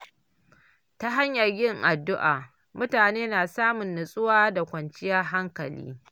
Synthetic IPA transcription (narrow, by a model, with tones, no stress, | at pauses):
ta˦ɦa˦ɲjɐ˨rjɪ˦ŋʔa˨dːʊ˦ʔa̰ː˨ | mʊ˦taː˨neː˦naː˨saː˦mʊ˨nːʊ˨sʼʊ˦waː˦da˨kʷɐ˨nt͡ʃɪ˦jɐ˦ɦa˦ŋkɐ˨lḭː˦